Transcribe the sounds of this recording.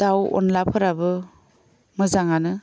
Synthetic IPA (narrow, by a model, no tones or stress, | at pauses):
d̥awɔ̰nlapʰɯɾabɯ | mɯzaŋanɯ